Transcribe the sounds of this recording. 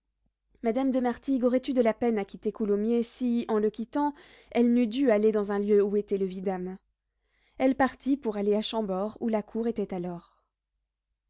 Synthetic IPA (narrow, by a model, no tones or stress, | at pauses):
mad̪amd̪əmaʁt̪iɡɔʁɛt̪yd̪əlapɛnakʲit̪ekulomjesiɑ̃ləkʲit̪ɑ̃ | ɛlnyd̪yaled̪ɑ̃zɛ̃ljøuet̪ɛləvid̪am | ɛlpaʁt̪ipuʁaleaʃɑ̃bɔʁulakʰuʁet̪ɛt̪alɔːʁ